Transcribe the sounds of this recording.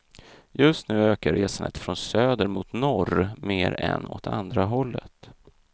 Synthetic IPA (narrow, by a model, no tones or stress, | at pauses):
jɵst̪nʉ̟ːøːkaɾeːsandə̰t̪fɾɔnsøːd̪əɾmʊːt̪nɔrmeːɾɛnɔ̰t̪ʰand̪ɾaɦɔlːət̪